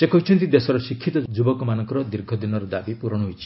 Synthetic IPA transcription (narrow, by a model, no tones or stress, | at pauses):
sekɔɦit͡ʃʰɔnt̪id̪esɔɾɔsikʰːit̪ɔd͡ʒubɔkɔmanɔŋkɔɾɔd̪iɾɡʱɔd̪inɔɾɔd̪abipuɾɔɽ̃ɦojt͡ʃʰi̥